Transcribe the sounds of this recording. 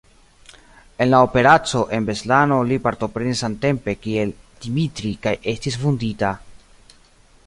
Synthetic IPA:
e̞nlaope̞ɾat͡so̞ʔe̞nbe̞slano̞lipaɾto̞pɾe̞nisante̞mpe̞kie̞ld̥imitɾikajʔe̞stisfundita

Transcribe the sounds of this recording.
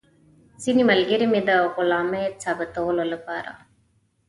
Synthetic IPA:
sinimɐlɡiɾimid̪akulaːmet͡sabət̪oːlolɯpaːɾa̰

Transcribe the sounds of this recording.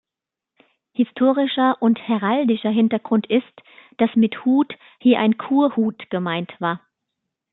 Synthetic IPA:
hɪstʰoːʁɪʃɐʔʊnthɛʁaldɪʃɐɦɪntɐɡʁʊntɪstd̥asmɪthuːt | hiːɐʔa̰ɪnkʰuːɐhuːtɡ̥əmaɪntv̥aːɐ

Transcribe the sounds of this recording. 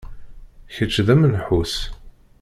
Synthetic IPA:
çət͡ʃːðæmənħus

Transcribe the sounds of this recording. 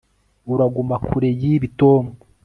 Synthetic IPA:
uɾaɡumakʰuɾe̞jiβitoːmo

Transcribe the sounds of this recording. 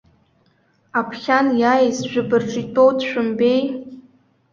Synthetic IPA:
apʰχʲanjajzʒᶣɨbɨrʈ͡ʂʼitʼowdʃᶣʊmbej

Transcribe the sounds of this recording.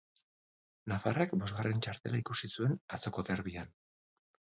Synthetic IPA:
nafarakbo̞zɣare̞nt͡ʃaɾt̪e̞laikusisue̞nat͡so̞ko̞ðeɾβian

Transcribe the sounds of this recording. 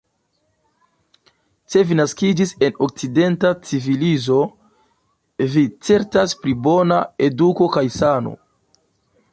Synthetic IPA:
se̞vinaskid͡ʒise̞no̞k̚t͡side̞ntat͡sivilizo̞ | vit͡se̞ɾtaspɾibo̞nae̞duko̞kajsano̞̰

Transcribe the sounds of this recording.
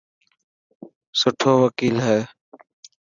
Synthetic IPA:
sʊʈʰoːʋəkiːlɦɛː

